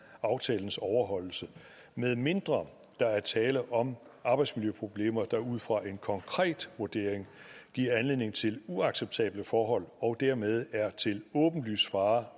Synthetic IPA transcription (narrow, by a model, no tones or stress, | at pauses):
ɑ̈ʊt͡sʰɛːln̩sɒʊɐɦɒ̽l̰l̩sə | meðˠme̝nd̥ʁɐ | d̥ɑ̈æɐt͡sʰɛːləʔɒ̽mɑ̈ːb̥ɑ̈ɪd̥smiljøpʰʁo̝b̥le̝̰ːmɐd̥ɑ̈uð̞̰ˠfʁɑ̈ʔe̝nkʰɒ̽ŋkʰʁɛ̰ːd̥ʋuɐd̥e̝ɐ̰eŋɡ̥iɐ̰ænle̝ð̰ˠne̝ŋt͡sʰe̝luɑ̈ɡ̥seb̥̚t͡sʰɛ̰ːb̥ləfɒːɦɒ̽l̰ɒ̽d̥æɐmeð̞ˠæɐt͡sʰe̝lɔ̽ːb̥n̩ly̰ːsfɑ̈ː